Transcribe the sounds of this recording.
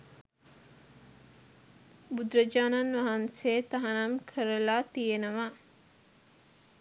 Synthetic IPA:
bud̪ɾɐd͡ʒaːnɐnʋɐɦɐnseːt̪ɐɦɐnɐmkʰəɾɐlaːt̪ijenɐʋa

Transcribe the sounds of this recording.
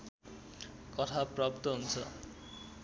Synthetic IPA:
kɔt̪ʰapɾɔp̚t̪oɦunt͡ɕʰɔ̰

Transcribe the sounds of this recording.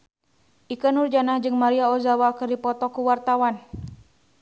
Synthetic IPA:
ʔikanurd͡ʒanad͡ʒɨŋmaɾiaɔzawakɨrdipɔt̪ɔkuwart̪awan

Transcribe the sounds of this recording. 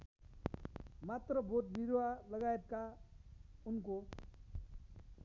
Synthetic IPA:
mat̪rʌbʱot̪̚biɾowalʌɡaet̪̚ka | unko

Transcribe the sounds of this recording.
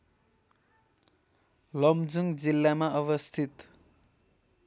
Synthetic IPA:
lʌmd͡zuŋɡd͡zilːamaʌβʌst̪ʰit̪

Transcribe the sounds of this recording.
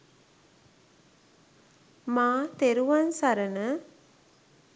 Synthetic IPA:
maːt̪eɾuʋansaɾənə

